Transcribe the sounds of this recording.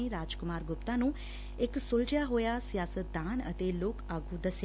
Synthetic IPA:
iɾaːd͡ʒkʊmaːɾɡʊpt̪anũ | eksolʈjaɦoːjasjaːsət̪̚d̪ãnə̰t̪eloːkaɡʱud̪əsj

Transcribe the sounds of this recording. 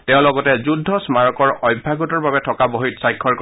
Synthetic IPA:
tɛʊ̃lɔɡɔtɛzudʱːɔsmaɹɔkɔɹɔjbʱːaɡɔtɔɹbabɛtʰɔkabɔɦitsajkʰːɔɹk

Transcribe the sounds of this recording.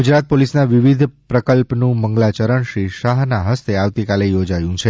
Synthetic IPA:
ɡud͡ʒɾat̪̚polisnaʋiʋid̪ʱpɾəkəlpnũməŋɡlat͡ʃəɾəɳʃɾiʃaɦnaɦəst̪eaʋt̪ikalejod͡ʒajũt͡ʃʰe

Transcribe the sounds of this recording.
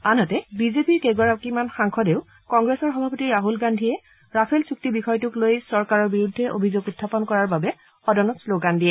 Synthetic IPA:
anɦɔtɛbizepiɹkeɡɔaɹakimanxaŋkʰɔdeʊ | kɔŋɡɹesɔɹxɔbʱapɔtiɹaɦulɡandʱijɛ | ɹapʰɛlsuk̚tibixɔjtʊklojsɔɹkaɹɔɹbiɹudʱːɛʔo̰bʱizoɡutʰːapɔnkɔɹaɹbabɛ | ɔdɔnɔtsloɡandiɛ

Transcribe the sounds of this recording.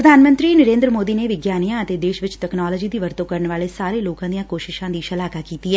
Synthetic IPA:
ɾəd̪ʱaːnmə̃nt̪ɾiːnəɾẽːnd̪ɾəmoːd̪iːneːʋɪɡjaːnijãːət̪eːd̪eːʃʋɪt͡ʃʈɛːknaːlɔːd͡ʒiːd̪iːʋəɾt̪õːkəɾəɳʋaːleːsaːɾeːloːkãːd̪ijãːkoːʃɪʃãːd̪iːʃəlaːkaːkiːt̪iːɦɛː

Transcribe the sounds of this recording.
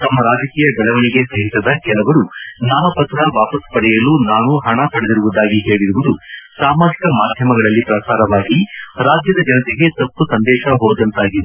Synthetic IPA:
t̪ɐmːɐɾaːd͡ʒɐkiːjɐbɐɭɐʋɐniɡe̞sɐɦisɐd̪ɐkɛlɐʋɐɾunaːʋɐpɐt̪ɾɐʋaːpɐspɐɽɛjɐluːnaːnuɦɐɳɐpɐɽed̪iɾuʋud̪aːɡiɦeːɭiɾuʋud̪usaːmaːd͡ʒikɐmaːd̪ʱjɐmɐɡɐɭɐlːipɾɐsaːɾɐʋaːɡiɾaːd͡ʒjɐd̪ɐd͡ʒɐnɐt̪eɡe̞t̪ɐpːusɐnd̪ɛːʃɐɦɔːd̪ɐnt̪aːɡid̪e

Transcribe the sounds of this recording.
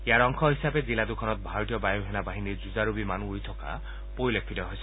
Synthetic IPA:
eaɾɔŋkʰɔɦisabed͡ʒilad̪ukʰɔnɔt̪̚bʱaɾɔt̪ijɔbajoɦenabaɦiniɾd͡ʒud͡ʒaɾubimanuujt̪ʰɔka̰ | pojlek̚ʰfʰidɔɦojsʰɔ

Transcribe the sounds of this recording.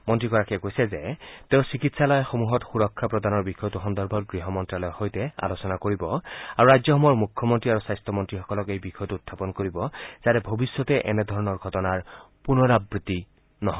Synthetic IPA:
mɔntɹikɔɹakɛɡojsɛzɛteʊ̃sikitsalɔjxomuɦɔtxuɹɔkʰːapɹɔdʱanɔɹbixɔjɔtuxɔndɔɹbʱɔt̚ɡɹiɦɔmɔntɹalɔjxojtɛa̰losɔnakoɹibɔaɹuɹajzɔxɔmɔjɔɹmukʰːɔmɔntɹiaɹusajstʰɔmɔntɹixɔkɔlɔkejbixʰɔjɔtuutʰːapɔnkoɹibɔz̥atɛbʱobisːjɔtɛʔɛnɛdʱɔɹɔnɔɹɡʱɔtɔnaɹ | punɔɹabɹiti | nɔɦ

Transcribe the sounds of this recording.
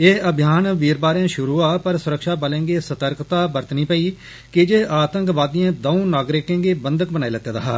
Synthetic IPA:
eːəbʱɪjaːnʋiːɾbaːɾãːʃʊɾuːaːpəɾsʊɾəkʃaːpəlẽːŋɡeːsət̪əɾkt̪aːbəɾt̪nĩːpəiː | kɪd͡ʒeːʔaːt̪ə̃ŋkʋaːd̪iãːd̪oũnaːɡɾɪkẽːŋɡeːbənd̪ək̚bənaːiːlət̪ːjẽːd̪aːɦa̰ː

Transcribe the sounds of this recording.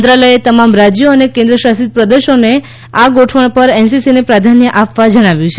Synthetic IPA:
d̪ɾaləjet̪əmamɾad͡ʒjoənekẽnd̪ɾəʃast̪it̪̚pɾəd̪eʃone | aɡoʈʰʋəɳ̃pəɾensisinepɾad̪ʱanjəʔapʋad͡ʒəɽ̃aʋjũt͡ʃʰe

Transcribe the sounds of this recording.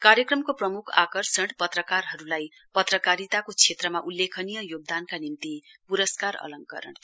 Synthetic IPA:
kaɾjʌkrʌmkoprʌmukʰa̰kʌrsʌɽpʌt̪rʌkarɦʌɾulaj | pʌt̪rʌkaɾit̪akot͡sʰet̪rʌmaʔulːekʰʌnijʌjoɡ̚d̪ankanimt̪ipuɾʌskaɾʌ̰lʌŋkʌ̰ɾʌ̰ɳ

